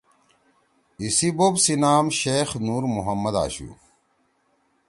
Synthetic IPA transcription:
isibobsinaːmɕeːxnuːɾmuɦɐmːɐd̪a̰ːɕṵː

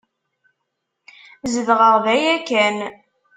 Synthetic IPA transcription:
zəðʁəʁvæjækæn

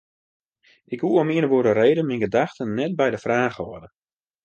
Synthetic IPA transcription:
ɪkɦuomiənəʋoədəreːdənminɡədaxtənːɛt̚bɛjdəfraːχɔdə

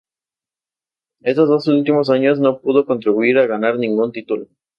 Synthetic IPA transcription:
e̞st̪o̞zðo̞sult̪imo̞s̬aɲo̞sno̞p̚uð̞o̞ko̞nt̪ɾiβuiɾaɣanaɾnĩŋɡunt̪it̪ulo

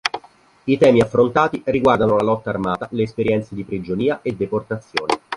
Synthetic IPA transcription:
it̪ɛːmiafːɾont̪aːt̪iriɡward̪anolalɔt̪ːaːrmaːt̪aleːspeɾjɛnt̪sed̪ipɾid͡ʒoniːaʔed̪ːeport̪at̪sːjoːne

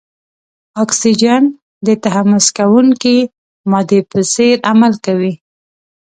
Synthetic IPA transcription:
ɑksid͡ʒan | d̪ət̪aɦamʊskawuŋki | mɑd̪epəseɾamalkawi

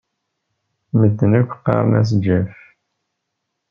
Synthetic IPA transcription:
məd̪ːənækʷːqːɑ̰ɾˤnæs̬d͡ʒæf

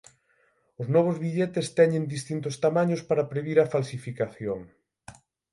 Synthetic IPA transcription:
ʊznɔβ̞ʊzβiʎet̪est̪ɛɲẽnd̪ist̪int̪ʊst̪amãɲʊspaɾɐpɾeβiɾafalsifikaθjoŋ

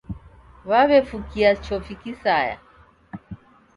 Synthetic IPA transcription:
βaβɛfukiat͡ʃɔfikisaja̰

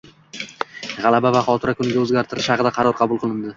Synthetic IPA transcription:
ʁɑlˠabavaχɒlˠt̪ʰɪɾakʰʊnɪɡʲaɵzɡʲaɾt̪ʰɪɾɪʃhɑqɨd̪aqʰɑɾɒɾqʰɑbʊlˠqʰɨlˠɪnd̪ɪ

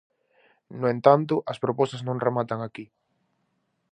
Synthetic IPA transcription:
noẽnt̪ant̪̬ʊʔɐspɾopɔst̪aznõŋremat̪aŋaki

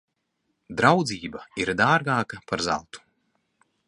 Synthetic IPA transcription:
d̪ɾawd̪ziːbaiɾd̪aːɾɡaːkɐpaɾza̰lˠt̪u̥

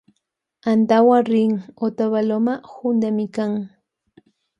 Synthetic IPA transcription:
ant̪awaɾɪŋot̪aβalomahʊnd̪amɪkaŋ

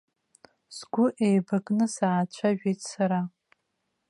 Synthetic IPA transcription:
sɡʷʊʔejbakʼnɨsaːt͡ɕʷʰaʒᶣejtʼsaɾa

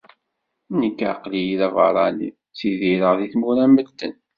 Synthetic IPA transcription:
nəkːʕaqlijiðævəɾˤɑnḭ | θiðiɾəʁðiθmuɾæməd̪ːə̰n

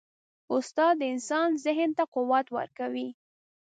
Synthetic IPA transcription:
ʊst̪ɑd̪ːəɪnsɑnzɪɦənt̪aqʊwat̪wə̰ɾkawi

